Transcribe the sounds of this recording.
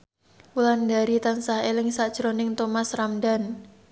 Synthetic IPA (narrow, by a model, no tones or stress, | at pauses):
wulandaɾit̪ansahelɪŋsad̥ʒ̥ɾonɪŋt̪omasramdan